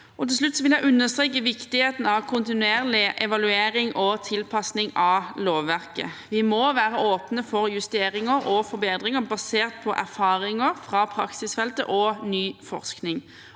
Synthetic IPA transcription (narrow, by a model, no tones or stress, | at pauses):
ɔt̪ɪls̬lʉt̪ːsɔʋɪljæɪʔʉnːəst̪ʁeːk̬ːəʋɪkt̪ɪheːt̪n̩ɑʋkʰʊnt̪ɪnʉeːɾlɪʔɛʋɑlʉeːɾɪŋʔɔt̪ʰɪlpʰɑsnɪŋɑloːʋːæɾkə̰ʋɪmɔʋæːɾəʔoːpnəfɔɾjʉst̪eːɾɪŋəɾɔfɔɾbeːd̪ɾɪŋəbɑseːʁt̪̚pʰɔʔæɾfɑːɾɪŋəɾfɾɑpʰɾɑ̰ksɪsfɛlt̪ə̰ʔɔnyːfɔ̰ʁsknɪŋ